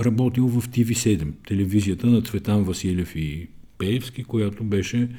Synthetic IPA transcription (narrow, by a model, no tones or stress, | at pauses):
ɾɐbɔt̪ilˠvɐft̪ivisɛd̪ɛmt̪ɛlɛvizijət̪ənɐt̪svɛt̪anvɐsilʲɛfipɛɛfskikojat̪obɛʃɛ